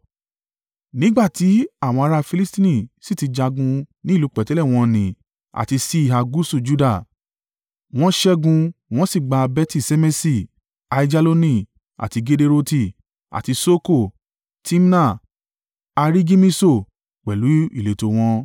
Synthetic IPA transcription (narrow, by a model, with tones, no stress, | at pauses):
nĩ˦ɡ͡ba˦˨ti˨˦a˦˨w̃ɔ̃˧a˧ɾa˧fi˧li˦stĩ˦nĩ˦˨si˦˨ti˧d͡ʒa˧ɡũ˧nĩ˦˨lu˨˦k͡pɛ˨tɛ˨˦lɛ˦˨w̃ɔ̃˧nĩ˨ | a̰˨ti˧si˦˨ɦa˧ɡu˦su˦˨d͡ʒu˦da˦˨ | w̃ɔ̃˦ʃɛ˦ɡũ˧w̃ɔ̃˦si˦˨ɡ͡ba˧bɛ˧˦ti˦˨se˧mɛ˦si˦˨ | a˧i˧d͡ʒa˧lo˧nĩ˦˨ | a̰˨ti˧ɡe˧de˧ɾo˦˧ti˧˨ | a̰˨ti˧so˦ko˦˨ | ti˦m˦na˦˨ | a˧ɾi˦ɡi˦mĩ˦so˦˨ | k͡pɛ˨lu˨˦ḭ˦˨le˨to˧w̃ɔ̃˧